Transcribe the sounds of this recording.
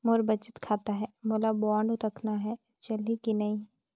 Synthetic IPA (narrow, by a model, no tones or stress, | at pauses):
moːɾbɐt͡ʃɪ̥t̪kʰaːt̪aɦɛːmoːlabɔːɳɖɾɐkʰnaɦɛ | t͡ʃɐlikinɐĩː